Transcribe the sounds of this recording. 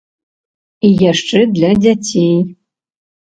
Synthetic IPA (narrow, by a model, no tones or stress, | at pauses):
ijaʂʈ͡ʂʼɨd̪lʲadʲatʲʰej